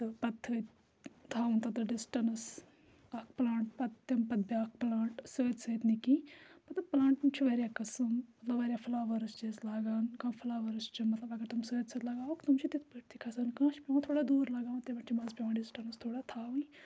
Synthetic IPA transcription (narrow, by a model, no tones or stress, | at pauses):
t̪ɨpɐt̪ʰːəː | t̪ʰːaːũnt̪ɐt̪ɐɖɪsʈɐnɐs | ɐkʰplãːɳʈ̚pɐt̪ːɐmpɐt̪̚baːk̚ʰplãːɳʈsəːd̪səːt̪nikĩːmɐt̪lɐb̚plãːɳʈmt͡ʃʰiʋəːɾjaːkɐsɨmmɐt̪lɐbʋɐɾʲjaːpʰlaːʋɐɾɐst͡ʃeːslaːɡaːnkãːfʰlaːʋɐɾɐst͡ʃimɐt̪lɐbɐɡəɾt̪umsəːd̪sət̪lɐɡaːokt̪umt͡ʃʰit̪it̪ʰbəːʈt̪ʰikʰɐsɐnkãːʃʰpʲeʋãːt̪ʰoːɽaːd̪uːɾlɐɡaːũnt̪emɐʈt͡ʃʰimɐzpʲeʋãːɖɪsʈɐnɐst̪ʰoːɽaːt̪ʰaːʋui